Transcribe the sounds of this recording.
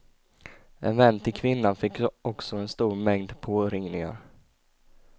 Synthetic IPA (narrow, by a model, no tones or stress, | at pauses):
ʔɛnvɛnːt̪ʰɪlkʰvɪnːanfɪkːɔksɔɛnst̪uːɾmɛŋd̪pʰoːɾɪŋnɪŋa̰ɾ